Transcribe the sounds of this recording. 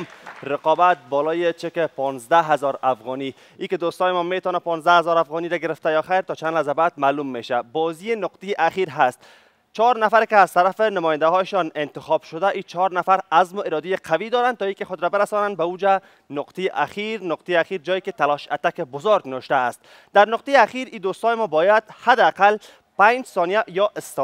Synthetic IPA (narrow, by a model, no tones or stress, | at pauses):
ɾɪqɔbat̪̚bɔlɔjet͡ʃekepɔnzd̪aɦazɔɾafɣɔni | iked̪ost̪ɔjɪmɔmet̪ɔnapɔnzd̪ahazɒɾafɣɔniɾaɡɪɾɪft̪ajɒxajɾt̪ɔt͡ʃanlazabad̪̚maːlumːeʃabɔzijenʊqt̪ejeʔaxiɾɦast̪ | t͡ʃɒɾnafaɾekɪaz̥t̪aɾafenʊmɔjɪnd̪aɦɔjeʃɔnɪnt̪ɪxɔb̥ʃʊd̪aʔit͡ʃʰɒɾnafaɾazmʊeɾɔd̪ejeqʰawid̪ɔɾant̪ɔikexʊd̪ɾabɪɾasɔnand̪̚baud͡ʒa | nʊqt̪ejeʔaxiɾnʊqt̪ejeaxiɾd͡ʒɒjeket̪alɔʃat̪akebʊzoɾɡnɪwɪʃt̪aːst̪ | d̪aɾnʊq̚t̪ejeaxiɾid̪ost̪ɔjɪmɔbɔjad̪had̪ɪaqal | paɲd͡ʒsɔnijajɒʔɪst̪